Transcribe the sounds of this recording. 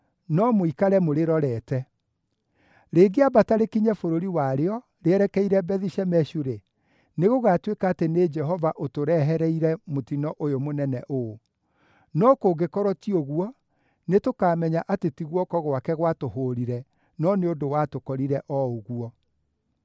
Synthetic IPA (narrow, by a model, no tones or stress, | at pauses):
nɔmoikaɾɛmoɾeɾɔɾɛːtɛ | ɾeːɡeabataɾekiɲɛfoɾoɾiwaɾeɔ | ɾeɛɾɛkɛiɾɛbɛðiʃɛmɛɕuɾe | neɣoɣatwekaːtened͡ʒɛɦɔvaʔotoɾɛɦɛɾɛiɾɛmotinɔʔojomonɛnɛʔo | nɔkoɡekɔɾɔtioɣuɔ | netokaːmɛɲaʔatetiɣwɔkɔɣwakɛɣwatoɦoɾiɾɛ | nɔneondowatokɔɾiɾɛʔɔoɣuɔ